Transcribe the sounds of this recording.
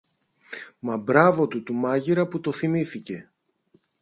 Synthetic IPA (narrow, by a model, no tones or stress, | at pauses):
mɐbɾɐvo̞t̪ut̪umɐʝiɾɐput̪o̞θimiθice̞